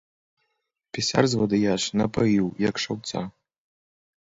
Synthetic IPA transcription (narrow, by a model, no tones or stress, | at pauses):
pʲɛsʲa̰rzvɔd̪ɨjaʂnɐpajiwjɐkʂawt̪sa̰